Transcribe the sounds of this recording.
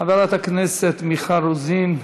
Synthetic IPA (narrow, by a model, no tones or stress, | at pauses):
avaɾat̪akneset̪miχaɾuzim